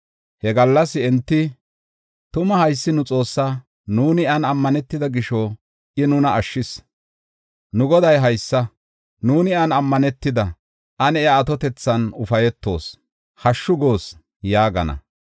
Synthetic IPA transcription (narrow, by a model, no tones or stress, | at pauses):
hɛɡɐlːɐsɪɛnt̪ːɪ | t̪ʊmɐhɐjsːɪnʊt͡sʼo̞ːsːa | nuːnɪɐnɐmːɐnɛt̪ːɪd̪ɐɡɪʃo | ʔɪnʊnɐʔːʃːɪs | nʊɡɔd̪ɐjɦɐjsːɐ | nuːnɪɐnɐmːɐnɛt̪ːɪd̪ɐ | ʔɐnɛaːt̪ɔt̪ɛt͡sːɐnʊfɐjɛt̪ːo̞̰ːs | hɐʃːʊɡo̞ːs | jaːɡɐnɐ̰